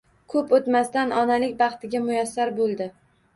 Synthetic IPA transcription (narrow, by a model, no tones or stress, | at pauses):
kʰɵpot̪mast̪anʔɒnalɪkʲbɑχt̪ʰɪɡʲamʊjasːaɾbolˠd̪ɪ